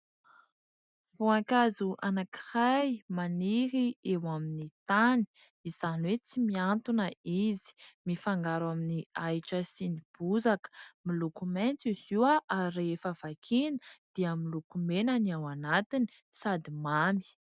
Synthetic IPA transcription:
v̥uaŋkazuʔanaki̥rajmaniɾiewaminit̪ani̥ | iz̥aniwet͡simiant̪unəizi̥mifaŋɡaɾaminiajʈ͡ʂəsinib̥uzakə̥milukument͡siz̥iwaʔaɾefav̥akʰinə̥d̪̥iəmilukumenanawanat̪ini̥ | sad̪imami̥

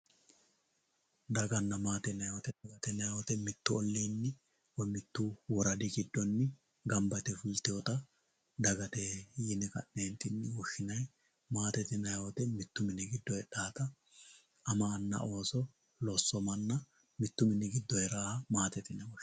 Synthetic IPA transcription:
d̪ɐɡɐnːɐmaːt̪ɛnɐjot̪ɛɐɡɐt̪ɛnɐjot̪ɛmɪt̪ːʊɔlːiːnːɪ | wɔmɪt̪ːuwɔɾɐd̪ɪɡɪd̪ːɔnːɪ | ɡɐmbɐt̪ɛfʊlt̪ɪjɔt̪ɐ | d̪ɐɡɐt̪ejɪnɛkɐ̰ʔneːnt̪ɪnːɪwɔʃːɪnɐj | maːt̪ɛt̪ɪnɐjot̪ɛmɪt̪ːʊmɪnɪɡɪd̪ːɔɛᶑaːt̪ɐː | mɐːnːɐ̰o̞ːsɔ | lɔsːɔmɐnːɐ | mɪt̪ːʊmɪnːɪɡɪd̪ːɔjɛɾaːhɐmaːt̪ɛt̪ɪnɐwɔ

